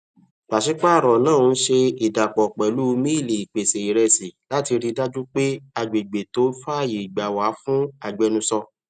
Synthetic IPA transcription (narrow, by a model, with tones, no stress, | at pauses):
k͡pa˨ʃi˨˦k͡pa˦˨ɾɔ˨nãː˦˨˧ʃe˧i˨da˨k͡pɔ˨k͡pɛ˨lu˦˧mĩ˦i˦˨le˨i˨k͡pe˨se˨i˨ɾɛ˧si˨la˦ti˧ɾi˧da˦d͡ʒu˦k͡pe˦a˧˨ɡ͡be˨ɡ͡be˨to˨˦fa˦˨ji˨ɡ͡ba˨wa˨˦fũ˦a˨ɡ͡bɛ˧nũ˧sɔ˧